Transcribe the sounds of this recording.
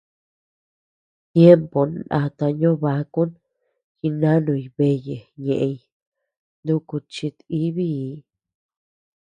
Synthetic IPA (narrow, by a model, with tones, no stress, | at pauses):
t̪je˦mpo˨na̰˧t̪a˧ɲõ˦βa˧ku˦n | xi˧nã˦nũ˧i˧βe˧je˨ɲẽ˨ʔe˧i˧ | nd̪ũ˧ku˧t͡ʃi˧t̪i˦βi˦˧˦